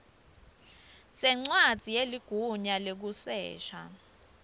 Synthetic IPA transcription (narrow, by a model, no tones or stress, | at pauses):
sɛŋ͡ǀwad̥z̥ʱijeliɡ̥ʱuɲalek̬usɛ̰ːʃa̰